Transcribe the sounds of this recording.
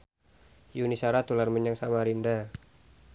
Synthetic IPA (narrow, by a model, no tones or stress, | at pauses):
junisaɾat̪ularməɲaŋsamaɾinda